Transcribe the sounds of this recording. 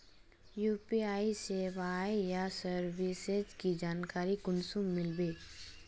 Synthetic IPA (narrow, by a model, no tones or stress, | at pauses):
juːpiaːiseʋaeijasəɾʋɪsezkid͡ʒaːnkaːɾikʊnsumːɪlbeː